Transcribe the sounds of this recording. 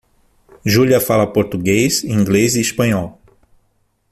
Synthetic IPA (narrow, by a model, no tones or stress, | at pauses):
ʒuliɐfalɐpoɾt̪uɡejzĩŋɡleziispɐ̃ɲɔw